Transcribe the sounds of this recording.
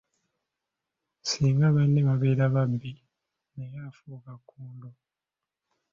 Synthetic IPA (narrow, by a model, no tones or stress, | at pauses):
siːŋɡaβanːeβaβe̞ːɾaβaβbi | nejafukakʰːuːndo